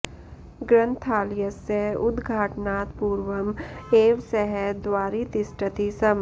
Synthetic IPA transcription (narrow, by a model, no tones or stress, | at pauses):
ɡɾə̃nt̪ʰaːlɪjəseɦʊd̪ɡʱaːʈnaːt̪puːɾʋəmeːʋsɛɦɛd̪ʋaːɾit̪ɪsʈət̪isɐm